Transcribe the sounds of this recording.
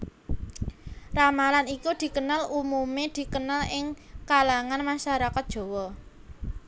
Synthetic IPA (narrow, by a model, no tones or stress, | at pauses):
ramalanikud̪̥i̤kənalumumed̪̥i̤kənalɪŋkalaŋanmaʃaɾakat̪̚d̥ʒ̥o̤wɔ